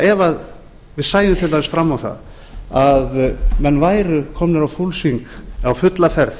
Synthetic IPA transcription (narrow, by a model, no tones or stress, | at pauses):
ɛvað | vɪðsaːjʏmt̪ʰɪlt̪ʰamɪsfɾamːawθa̰ð | aðmɛnːvaːjɾʏkʰɔːmnɪɾawfulsiŋkawfʏt̪lafɛɾθ